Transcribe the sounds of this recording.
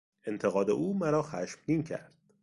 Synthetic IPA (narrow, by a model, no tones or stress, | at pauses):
e̞nt̪ʰeɣɒːd̪e̞̰ʔuːmæɾɒːxæʃmd̪iːncʰæ̰ɾd̪̥